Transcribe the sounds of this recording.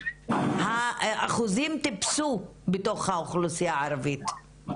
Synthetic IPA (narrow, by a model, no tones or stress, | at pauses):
haʔaχuzimt̪ipsubeto̞χhaoχlusijaaɾavit̪